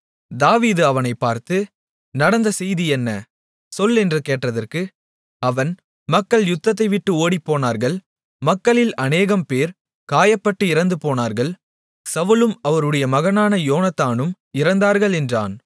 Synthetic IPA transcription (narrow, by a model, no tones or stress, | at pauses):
d̪aːʋiːðɯɐʋɐnɐɪpːaːɾt̪ɯ | nɐɽɐnd̪ɐsɛjðiɛnːɐ | sɔlːɛndrɯkeːʈrɐðɐrkɯ | ɐʋɐn | mɐkːɐɭjʊt̪ːɐt̪ːɐɪʋɪʈːɯoːɽipːoːnaːɾɣɐɭ | mɐkːɐɭɪlɐneːɣɐmpeːɾ | kaːjɐpːɐʈːɯɪɾɐnd̪ɯpoːnaːɾɣɐɭ | sɐʋɯlɯmɐʋɐɾɯɽɐjɐmɐɣɐnaːnɐjoːnɐt̪ːaːnɯm | ɪɾɐnd̪aːɾɣɐɭɛndra̰ːn